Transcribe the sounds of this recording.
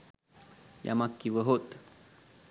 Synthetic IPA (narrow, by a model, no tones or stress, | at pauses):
ja̰makːiwəɦot̪